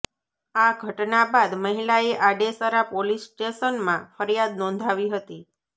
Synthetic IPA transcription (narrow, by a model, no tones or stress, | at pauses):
aɡʱəʈnabad̪məɦilaeʔaɖesaɾapolisʈeʃənmãfəɾjad̪̚nɔ̃nd̪ʱaʋiɦət̪i